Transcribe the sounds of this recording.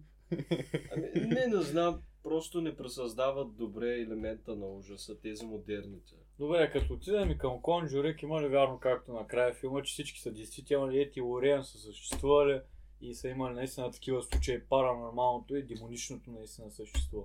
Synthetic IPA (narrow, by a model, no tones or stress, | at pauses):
ɐminɛnɛznampɾɔst̪onɛpɾɛsɐzd̪avɐt̪̚d̪obɾɛːlɛmɛnt̪ənɐɔʒɐsət̪ɛzimod̪ɛɾnit̪ɛ̥ | d̪obɾɛkɐt̪oːt̪id̪əmikɐmkonʒuɾɛkimɐlivʲjaɾnokak̚t̪onɐkɾajəfilˠmət͡ʃɛ̥sit͡ʃki̥sɐd̪ɛjst̪vit̪ɛlˠnilʲiɛt̪ioɾiɐnsəsəʃt̪ɛ̥st̪vuvɐli | isɐimɐlinɐist̪ʲinət̪ɐ̥kʲivəslˠut͡ʃəipɐɾɐnoɾmalˠnot̪oid̪ɛmonit͡ʃnot̪onɐist̪ʲinəsəʃt̪ɛ̥st̪vu